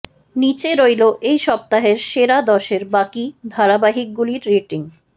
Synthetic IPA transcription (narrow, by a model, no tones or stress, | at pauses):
nit͡ɕeɾojloʔejʃɔp̚t̪aɦeɾʃeɾad̪ɔʃeɾbakid̪ʱaɽabaɦik̚ɡuliɾːeʈiŋ